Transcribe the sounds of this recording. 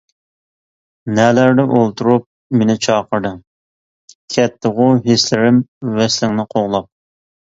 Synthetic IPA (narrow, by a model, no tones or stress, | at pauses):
nɛlæɾd̪ɪʔolˠt̪ʰuɾup̚ | menɪt͡ʃʰɑːqəɾd̪ɨŋ | kʲʰɛt̪ʰːəʁʊɦeslɪɾɪmvɛslɪŋnɪqʰoʁlˠɑp̚